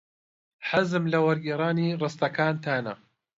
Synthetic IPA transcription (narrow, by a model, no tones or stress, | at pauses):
ħazɨmlɐwɐɾɡiːɾˤaːniːrɨst̪ɐkaːnt̪ʰaːnɐ